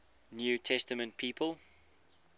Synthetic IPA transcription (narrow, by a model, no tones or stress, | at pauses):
njʉːtʰɛstəmə̃nt̚pʰiːpʰəlˠ